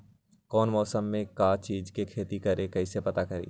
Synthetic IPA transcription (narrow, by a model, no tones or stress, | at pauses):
kɔːnmɔːsəmːẽkaːt͡ʃiːd͡ʒkekʰeːt̪ikɐɾekɐisepɐt̪akɐɾḛː